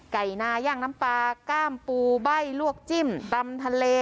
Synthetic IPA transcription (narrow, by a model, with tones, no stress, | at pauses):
ka˨˩jnaː˧jaː˧˥˩ŋna˦˥mpaː˧kaː˥˩mpuː˧ba˥˩jlu˥˩ək̚t͡ɕi˥˩mt̪a˧mt̪ʰa˧leː˧